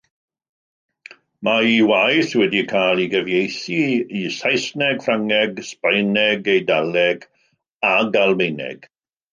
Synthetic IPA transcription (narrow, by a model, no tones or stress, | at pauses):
maiwajθwɛdikʰaːlˠiɡəvjejθiisajsnɛɡ̥fraŋɛɡspajnɛɡejdalɛɡ | aɡalˠmejnɛ̰ɡ̥